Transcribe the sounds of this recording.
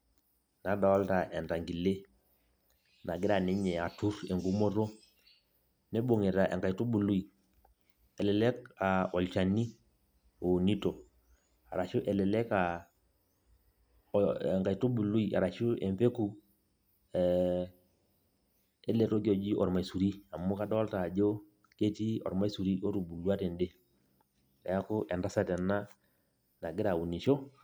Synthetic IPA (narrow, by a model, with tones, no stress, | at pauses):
na˨˦da˨wɔ˦lta˨ʔɛ˨nta˨ŋɡi˨le˦ | na˨ɡɪ˦ɾa˨nɪ˦ɲɛ˨a˨tu˦ɾɛ˨ŋɡu˦mɔ˦ɾo˦ | nɛ˦bo˨ŋe˨ta˨ʔɛ̰˨ŋɡa˨i˨tu˦bu˨lu˦i˨ | ɛ˨lɛ˨lɛ˦ka˨ɔ˨lt͡ʃa˨ni˦ | o˨ni˦to˨ | a˨ɾa˨t͡ʃu˦ʔɛ˨lɛ˨lɛ˦ka˨ | ŋɡa˨i˨to˦bu˨lu˦i˨ʔa̰˨ɾa˨ʃu˦ɛ˨mpe˦ku˨ | ɛ | ɛ˦lɛ˨to˦ki˦ɔ˨d͡ʒi˦ʔɔ̰˨ɾma˨i˨su˨ɾi˦a˨mu˦ka˦dɔ˦ɔ˦lta˨d͡ʒo˦ | ke˦ti˦ɔ̰˨ɾma˦i˦su˨ɾi˦o˦tu˨bu˨lu˦a˦tɛ˨nde˦ | a˨ja˦kʊ˦ʔɛ˨nda˦sa˨tɛ˨na˦ | na˨ɡɪ˦ɾa˨u˨ni˨ʃɔ˦